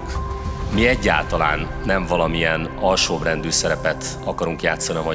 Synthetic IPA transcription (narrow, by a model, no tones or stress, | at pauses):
miɛɟːa̰ːlt̪ɒla̰ːnːɛɱvɒlɒmiɛnɒlʃoːbrɛnd̪yːsɛɾɛpɛt̪ | ɒkɒɾuŋkjaːt̪sːɒniɒmɒ